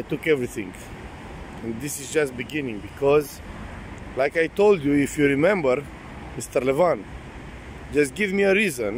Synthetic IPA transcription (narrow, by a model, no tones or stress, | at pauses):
ajtʊkɛvɹiθɪ̃ŋ | ɛ̃nd̪ɪsɨzd͡ʒast̚bɨɡɪ̃nɪ̃ŋbikʰɔz | laɪkajtoʊlˠdjuɪfjuɹimɛ̃mbəɾ | mɪst̪əɾlɛvãn | d͡ʒʌst̚ɡɪvmiəɾizə̃n